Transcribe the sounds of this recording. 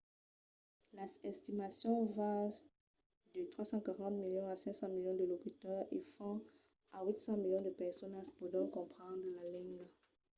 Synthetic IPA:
laɛst̪imasjɔ̃va | d̪ət̪χwasɑ̃kaʁɑ̃t̪miljɔ̃asɛ̃ksɑ̃miljɔ̃d̪əlokyt̪œʁḛfɔ̃ | awit̪sɑ̃miljɔ̃d̪əpɛʁsɔnãspud̪ɔ̃kɔ̃pχɑ̃d̪ʁəlalɛ̃ŋɡ

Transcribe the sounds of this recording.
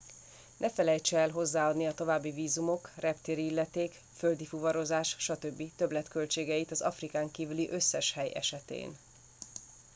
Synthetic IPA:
nʔɛfɛlɛjt͡ʃɛɛlɦo̞zːaːɒd̪niɒt̪o̞vaːbːiviːzumo̞krɛpt̪eːɾiilːɛt̪eːk | føld̪ifuvɒɾo̞zaːʃʃɒt̪ø̞bːit̪ø̞blɛt̪kø̞lt͡ʃeːɡɛit̪ɒzɒ̰frikaːŋkiːvyliʔø̞sːɛʃhɛjɛ̰ʃɛt̪ḛːn

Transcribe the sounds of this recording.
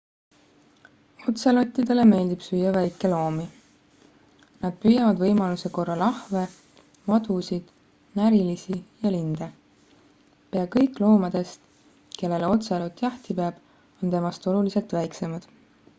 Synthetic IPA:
o̞t̪selo̞t̪ːˑid̪̥e̞le̞me̞ːlʲd̪̥ipsyjɑvæjkːˑe̞lo̞ːmi | nɑd̪̥̚pyjɑvɑd̪vɤjmɑluse̞ko̞rːɑlɑhve̞ | mɑd̪̥usid̪̥ | næɾilisijɑlind̪e | pe̞ɑkɤjkˑlo̞ːmɑd̪̥e̞st̪ | ke̞lːe̞lo̞t̪selo̞t̪ːˑjɑht̪ipeɑb̥ | o̞nt̪e̞mɑst̪o̞lulise̞lt̪væjkse̞mɑd̪̥

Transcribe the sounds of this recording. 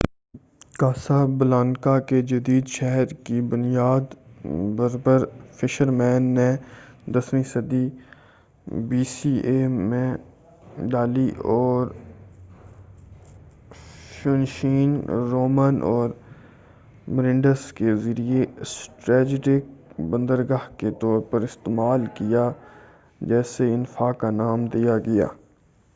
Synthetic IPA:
kaːsabəlãːnkaked͡ʒɐd̪iːd̪ʃɛɦɾkibʊnijaːd̪bəɾbəɾfɪʃəɾmɛ̃ːnːẽd̪ɐsmisɐd̪i | biːsiːemẽ | ɖaːliʔɔːɾ | ʃʊnʃiːnɾoːmənʔɔːɾ | məɾɪ̃ɳɖəskezɐɾiesʈɾɛːd͡ʒɪʈɪk̚bə̃nd̪əɾɡaːɦket̪ɔːɾpɐɾɪst̪eːmaːlkija | d͡ʒɛːseɪnfaːkanaːmd̪ijaɡɐja̰ː

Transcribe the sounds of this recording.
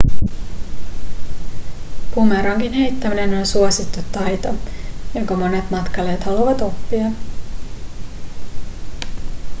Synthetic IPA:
pumeɾɑŋkinhe̞jt̪ːæminenonsuosit̪ːut̪ːɑjt̪ojo̞ŋkɑmo̞ne̞t̪mɑt̪kɑle̞ːt̪hɑluʋɑt̪o̞pːiɑ

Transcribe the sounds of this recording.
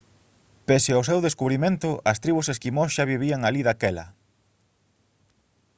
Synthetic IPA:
peseaws̬ewðeskuβɾimẽnt̪ʊʔɐst̪ɾiβuseskimosʃaβiβ̞iaŋaliðakɛlɐ̰

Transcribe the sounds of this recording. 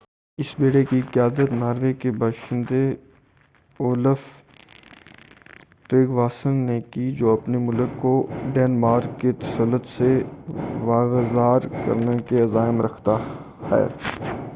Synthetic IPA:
ɪsbeːɽekiqjaːd̪ət̪naːɾʋekebaːʃɪ̃nd̪e | oːləf | ʈɾeːɡʋaːsənːekid͡ʒoːɐpnemʊləkːoɖɛːnmaːɾkːet̪ɐ̥sələt̪se | ʋaːɣzaːɾkɐ̰ɾnekeɐzaːɪmɾɐkʰt̪a | hɛ̰ː

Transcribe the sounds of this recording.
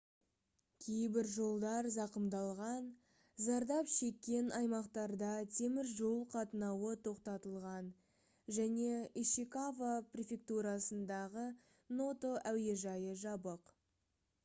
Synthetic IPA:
kʲʰe̞jbɪɾʒo̞lˠd̪ɑɾzɑqəmd̪ɑlˠʁɑn | zɑɾd̪ɑpʃe̞kʲːe̞nɑjmɑqt̪ɑɾd̪ɑt̪ʰe̞mɪɾʒo̞lˠqʰɑt̪ənɑwət̪ʰo̞qt̪ɑt̪əlˠʁɑn | ʒæne̞iʃikavaprʲe̞fʲe̞k̚t̪uɾɑsənd̪ɑʁə | no̞t̪o̞ʔæwd̪e̞ʒɑjəʒɑbəq

